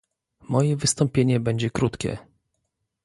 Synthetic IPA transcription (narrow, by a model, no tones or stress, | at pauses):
mɔjɛvɘst̪ɔmpʲjeɲɛbɛɲd͡ʑɛkɾut̪kʲɛ̰